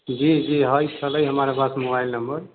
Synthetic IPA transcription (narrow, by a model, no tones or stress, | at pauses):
d͡ʒid͡ʒiɦəjt͡ʃʰələjɦəmaɾapasmobajlnəmbəɾ